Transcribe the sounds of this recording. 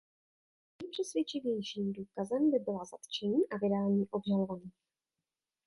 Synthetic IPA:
ɲɛpr̝̥ɛsvjɛt͡ʃɪvjɛjʃiːmduːkazɛmbɪbɪlaza̰t̪t͡ʃɛɲiːʔavɪdaːɲiːʔo̞bɲɛlovaniːx

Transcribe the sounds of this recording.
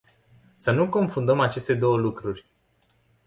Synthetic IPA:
sənuko̞nfund̪əmat͡ʃe̞st̪e̞d̪o̞wəlukɾurʲ

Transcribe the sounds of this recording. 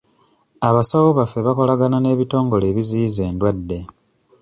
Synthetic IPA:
aβasawoβafːe̞βako̞laɡanane̞ːβito̞ːŋɡo̞le̞ːβiziːze̞ːndwadːe̞

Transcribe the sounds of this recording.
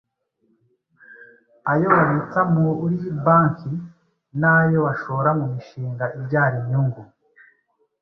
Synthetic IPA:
ajo̞βaβet͡samuːɾibaːŋki | najo̞βaʃo̞ɾamumiʃiːŋɡaʔibɟaːɾiɲɲuŋɡu

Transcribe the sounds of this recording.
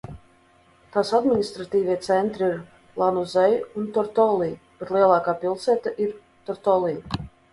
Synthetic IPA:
t̪asad̪minʲist̪ɾat̪iːvʲiɛt̪sɛnt̪ɾiiɾ | lˠanuzɛjunt̪ɔɾt̪ɔlˠiː | b̥ɛt̪lˠiɛlˠaːkaːpilˠsɛːt̪aʔiɾ | t̪ɔɾt̪ɔlˠiː

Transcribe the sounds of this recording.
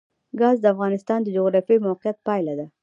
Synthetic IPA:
ɡɑzd̪əafɣɑnɪst̪ɑnd̪əd͡ʒʊɣɾɑfjijmawqjat̪̚pɑjlad̪a

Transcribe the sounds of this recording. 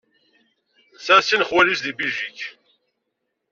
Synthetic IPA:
sæsinχwælisðibiʒiç

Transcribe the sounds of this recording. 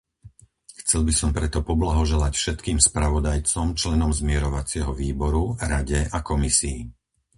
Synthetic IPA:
xt͡sɛlbisɔmpɾɛt̪ɔpɔblaɦɔʒɛlacfʃɛt̪kiːmspɾaʋɔd̪ajt͡sɔmt͡ʃlɛnɔmzmɪɛɾɔʋat͡sɪɛɦɔʋiːbɔɾuɾaɟɛakɔmisiː

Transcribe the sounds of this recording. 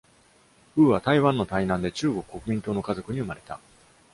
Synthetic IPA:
ɸɯ̟ːβat̪aiβãnːot̪ainãnd̪e̞t͡ɕɨːɡo̞kɯ̟̥ko̞kɯ̟mʲĩnt̪o̞ːno̞kazo̞kɯ̟ɲ̟iɯ̟maɾe̞t̪a̰

